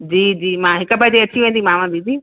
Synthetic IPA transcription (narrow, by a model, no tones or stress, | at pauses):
d͡ʑiːd͡ʑiːmãːɦɪkəpait̪eɐt͡ɕʰiʋẽːnd̪imãʋẽːnd̪id͡ʑiː